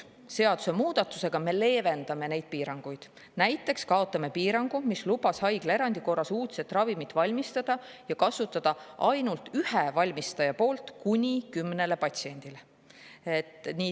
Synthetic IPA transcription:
se̞ɑd̪̥use̞muːd̪̥ɑt̪ːˑu̥se̞ɡ̥ɑme̞le̞ːve̞nd̪̥ɑme̞ne̞jd̪̥̚piːɾɑŋɡ̥ujd̪̥ | næjt̪ːˑe̞kskɑo̞t̪ːˑɑme̞piːɾɑŋɡ̥umislubɑshɑjɡ̥le̞ɾɑnd̪̥iko̞rːɑsuːt̪se̞t̪ːˑrɑvimit̪ːˑvɑlʲmist̪ɑd̪̥ɑjɑkɑsut̪ːˑɑd̪̥ɑʔɑjnult̪ˑyhevɑlʲmist̪ɑjɑpo̞ːlt̪kunʲikymne̞le̞pɑt̪ʲsie̞nʲd̪̥ile | et̪niː

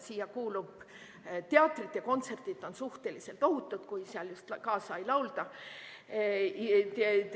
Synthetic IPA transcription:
siːjɑkuːlub̥ | t̪eɑːt̪ˑrit̪jɑko̞nt̪se̞rt̪it̪ːˑo̞nsuht̪e̞lise̞lt̪o̞hut̪ːˑut̪kujseɑljust̪kɑːsɑjlɑwld̪ɑ

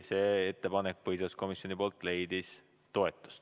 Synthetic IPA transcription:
se̞ːe̞t̪ːe̞pɑnek̚pɤjsɑsko̞misjo̞nipoːlt̪ˑle̞jd̪̥is | t̪o̞e̞t̪ːˑu̥st̪

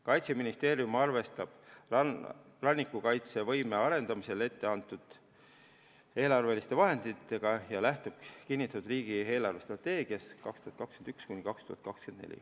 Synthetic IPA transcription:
kɑjt̪seminist̪e̞ːɾjumɑrve̞st̪ɑb̥ | rɑnʲːikːˑukɑjt̪se̞vɤjme̞ɑɾe̞nd̪ɑmise̞le̞t̪ːe̞ɑnt̪ːˑud̪̥ | e̞ːlɑrve̞list̪e̞vɑɦe̞nd̪̥it̪ːe̞ɡ̥ɑjɑlæht̪ub̥̚kinʲːit̪ːˑɑt̪ud̪riːɡ̥ie̞ːlɑrve̞st̪rɑt̪ːe̞ːɡ̥iɑskɑkst̪uhɑt̪̚kɑkskend̪ykskunʲikɑkst̪uhɑt̪̚kɑkskend̪nḛlʲḭ

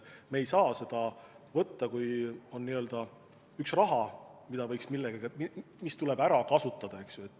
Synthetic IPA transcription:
meejsɑːse̞d̪̥ɑvɤt̪ːɑkujo̞nːiø̞ld̪̥ɑ | yksrɑɦɑmid̪ɑvɤ̞jksmilːeɡ̥ɑɡɑmimist̪ule̞bæɾɑkɑsut̪ːˑɑd̪̥ɑe̞ksjue̞t̪ːˑ

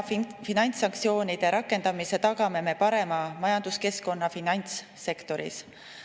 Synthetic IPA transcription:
finɑjnʲt̪sɑŋkt̪sio̞ːnid̪̥e̞ɾʔɑkːe̞nd̪̥ɑmise̞t̪ɑɡɑme̞me̞pɑɾe̞mɑmɑjɑnd̪̥uske̞sko̞nːɑfinɑnʲt̪sː | e̞kt̪o̞ɾḭs

